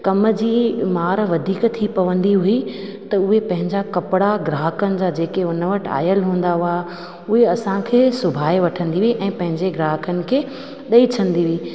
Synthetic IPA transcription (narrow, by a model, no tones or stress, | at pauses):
kɐməd͡ʑiːmaːɾʋɐd̪ʱiːkt̪ʰipɐʋə̃nd̪iɦui | t̪ɐʊɦepɐ̃ɦɪ̃ɲd͡ʑakɐpɪɽaɡɾaːɦəkənɪ̆d͡ʑaːd͡ʑeːkeʊnəʋɐʈa̰ːjəlɦũːn̆d̪aɦʊaːɦ | ʊɦeɐsãkʰeːsʊbʱaːeʋɐʈʰə̃nd̪iʋiʔɛ̃ːpɐ̃ɦɪ̃ɲd͡ʑeɡɾaːɦəkənɪ̆kʰeː | ɗɐit͡ɕʰɐ̃nd̪iʋiː